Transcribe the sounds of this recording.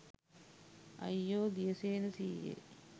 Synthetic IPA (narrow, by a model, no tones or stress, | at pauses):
ɐ̰jːoːd̪ijəseːnəsiːjḛ